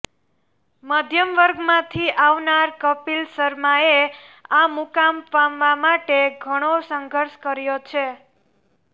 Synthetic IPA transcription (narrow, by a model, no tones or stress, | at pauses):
məd̪ʱjəmʋəɾɡmãt̪ʰiʔawnaɾkʌpilsəɾmaeamukampamʋamaʈeɡʱəɽ̃osəŋɡʱəɾskəɾijot͡ʃʰe